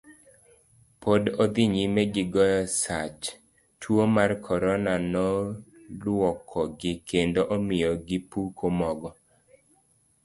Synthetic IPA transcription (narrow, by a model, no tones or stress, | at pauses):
pʰodɔd̪iɲimɛɡɪɡɔjɔsat͡ʃ | tʰwomarkʰɔɾɔnanɔ | lwɔkʰɔɡɪkendoʔɔmɪjɔɡɪpukʰomɔɡɔ